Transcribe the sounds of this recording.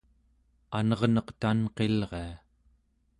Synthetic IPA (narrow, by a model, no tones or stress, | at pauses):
anʌʁnʌqt̪anqe̞lʁe̞a